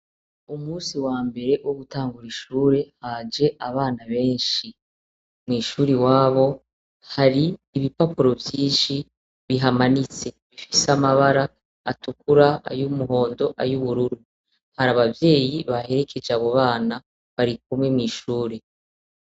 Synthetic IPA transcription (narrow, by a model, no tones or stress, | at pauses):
umuːsiwaːmbe̞ɾe̞wʔoɡutaːŋɡuɾiʃuːɾe̞haːd͡ʒe̞ʔaβaːnaβe̞ːnʃi | mŋiːʃuːɾiwaːβo̞ | haɾiːβipapuɾo̞vjiːnʃi | βiɦamanit͡se̞βifiseamaβaɾaː | tukuɾaa̰jumuɦo̞ːndo̞ʔajuβuɾuɾu | haɾaβavje̞ːjiβahe̞ɾe̞kʰe̞d͡ʒeaβo̞βaːna | βaɾik̚umŋwe̞mŋiːʃuːɾe̞